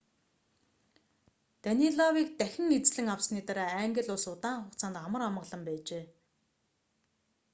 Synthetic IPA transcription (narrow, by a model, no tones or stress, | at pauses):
t̪aniɮɔwiːk̚t̪æxʲɪ̆ŋet͡sɮɘ̆ŋawsniːt̪aɾaːæŋɡə̆ɮʊɮsʊt̪aːɴχʊkt͡sʰaːnt̪χamə̆ram̆ə̆ɮə̆mpæːt͡ɕeː